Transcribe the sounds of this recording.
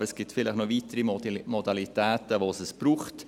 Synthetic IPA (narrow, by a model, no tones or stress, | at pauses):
əɾɛsɡ̥ɪtfɪləχnoviːtəɾimɔdɑlitɛːtəʋosəsb̥ɾuːχt